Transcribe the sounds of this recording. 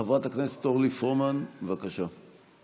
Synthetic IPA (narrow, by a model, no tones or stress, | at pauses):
avʁat̪aknese̥t̪oʁlifomanvakaʃa